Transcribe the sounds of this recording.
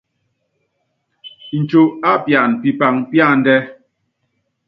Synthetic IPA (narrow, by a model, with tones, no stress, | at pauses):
n̩˨t͡ʃo˨a˦pja˨npi˨pa˨ŋpja˦˨n̩˨dɛ˦